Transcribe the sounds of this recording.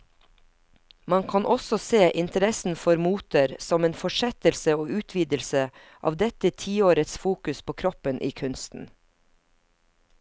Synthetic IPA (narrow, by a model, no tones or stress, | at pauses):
mɑŋkʰɑnʔɔsɔseːʔɪnt̪əɾɛsn̩fɔɾmuːt̪əɾsɔmeːnfɔʃɛt̪əlsəoːʉːt̪ʰʋiːd̪əlsə | ʔɑ̰ːʋd̪ɛt̪ət̪ʰiːoːɾət̪sfuːkʉspʰoːkʰɾɔpənʔḭːkʰʉnst̪n̩